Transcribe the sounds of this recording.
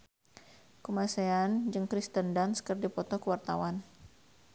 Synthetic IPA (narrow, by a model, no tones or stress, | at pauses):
kumaseand͡ʒɨŋkɾist̪əndanskərdipɔt̪ɔkəwart̪awan